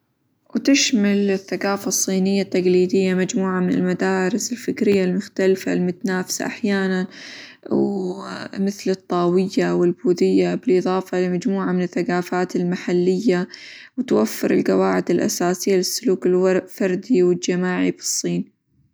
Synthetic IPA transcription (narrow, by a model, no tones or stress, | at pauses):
wt̪ɪʃmalɪθːaɡaːfɑsˤːiːnɪjːat̪ːaɡliːd̪ɪjːamad͡ʒmuːʕamɪnɪ̰lmad̪aːɾɪsɪlfɪkɾɪjːalmʊxt̪alfa̰lmʊt̪anaːfsa̰ʔaħjaːnanw | mɪθlɨt̪ˤːɑːwɪjːawɪlbuːðɪjːabɪlʔɨðˤɑːfɑlɪmad͡ʒmuːʕamɪnɪθːaqaːfaːt̪ɪlmaħalːɪjːa | wɪt̪wafːɪɾɪlqɑwaːʕɪd̪ɪlʔa̰saːsɪjːalɪsːʊluːkɪlfɑɾˤd̪iwɪd͡ʒamaːʕibɨ̥sˤːiːn